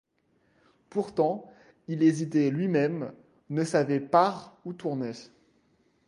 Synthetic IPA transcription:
puʁt̪ɑ̃ | ilezit̪ɛlɥimɛm | nəsavɛpaʁut̪uʁnɛ

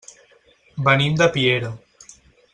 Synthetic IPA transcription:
bənimd̪ɐpieɾɐ

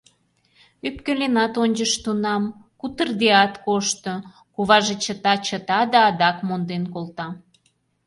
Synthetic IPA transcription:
yp̚kølenɑt̪onʲd͡ʒəʃt̪unɑmkut̪ərd̪eɑt̪koʃt̪o | kuβɑʒet͡ɕət̪ɑt͡ɕət̪ɑd̪ɑːd̪ɑkmond̪enkolˠt̪ɑ

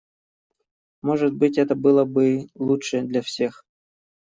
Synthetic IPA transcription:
moʐɨt̪̚bɨtʲɛt̪əbɨlˠəbɨlˠutʂɨd̪lʲafsʲe̞x

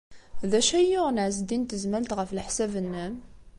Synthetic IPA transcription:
ðæʃæjːʊʁnʕzd̪int̪əzmælt̪ʁəflħsævənːæm

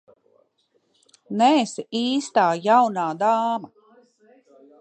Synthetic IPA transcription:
nɛsiiːst̪aːjawnaːd̪aːma

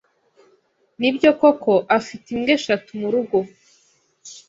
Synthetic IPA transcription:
nibɟo̞ko̞kʰo̞ʔafitimɡeʃatumuɾuɡo̞

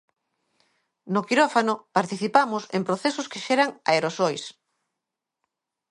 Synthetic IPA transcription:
nokiɾofanopaɾt̪iθipamʊsempɾoθesʊskeʃɛɾaŋa̰eɾosojs

